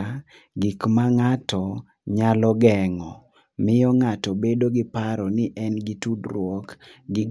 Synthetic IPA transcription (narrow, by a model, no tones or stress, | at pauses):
ɡɪkmaŋatʰɔ | ɲalɔɡɛŋɔ | mɪjɔŋatɔbedoɡɪpaɾɔnɪʔɛnɡɪtudɾwɔkɡɪ